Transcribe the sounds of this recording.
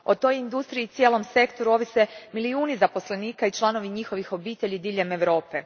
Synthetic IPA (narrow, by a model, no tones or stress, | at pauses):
o̞t̪o̞jind̪ust̪ɾiit̪sʲjeːlo̞mse̞kt̪o̞ɾuo̞ʋise̞miliuːnizapo̞sle̞niːkait͡ʃlˠano̞ʋiɲixo̞ʋixo̞biːt̪eʎid̪iːʎe̞me̞ʋɾo̞ːpe̞